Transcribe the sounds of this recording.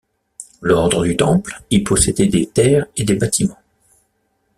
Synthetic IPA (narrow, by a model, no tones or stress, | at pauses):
lɔʁd̪ʁəd̪yt̪ɑ̃plilpɔsɛd̪ɛd̪et̪ɛːʁed̪ebat̪ʰimɑ̃